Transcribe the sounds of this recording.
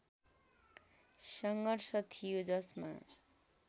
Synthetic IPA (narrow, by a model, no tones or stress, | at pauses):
sʌŋɡʌrsʰʌt̪ʰijod͡zʌsma̰